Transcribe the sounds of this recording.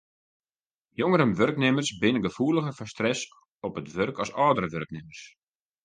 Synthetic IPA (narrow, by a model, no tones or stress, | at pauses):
joŋəɾənʋørknɪmərsbɪnəɡəfuələɣəfɔstrɛs | ɔpətʋørkʰɔsɔːdəɾəʋørknɪmərs